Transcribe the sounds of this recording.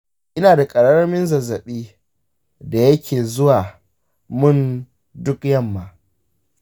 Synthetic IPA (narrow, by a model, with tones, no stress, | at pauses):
ʔɪ˦naː˨da˨kʼɐ˨ɽɐ˦ɾɐ˦mɪ˦nzɐ˨zːɐ˨ɓiː˦ | da˨jɐ˦kʲʰeː˨zʊ˦waː˨ | mʊ˦n | dʊ˦kjɐ˦˨mːaː˨